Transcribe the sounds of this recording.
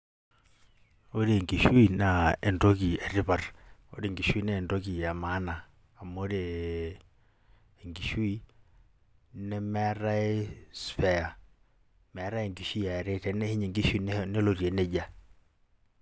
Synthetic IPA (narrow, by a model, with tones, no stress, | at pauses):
o˦ɾe˨ŋɡi˨ʃu˦i˨na˨ɛ˨ndo˦ki˨ɛ˨ɾi˦pa˨ro̰˦ɾe˦˨ŋɡi˨ʃwi˦nɛ˦˨ndo˦k̬i˨ja˨ma˦naː˨ | mo˦ɾe˨ | ŋɡi˨ʃu˦i˦ | nɛ˦mɛ˦a˦ɾa˦e˦sfɛ˦a˨ | mɛ˨a˦ɾa˦e˨ŋɡi˨ʃu˦i˦ja˨ɛ˨ɾɛ˦tɛ˨nɛ˦hi˦ɲe˨ŋɡi˦ʃu˦i˦˨nnɛ˦lo˨ɾje˨nɛ˦d͡ʒa˨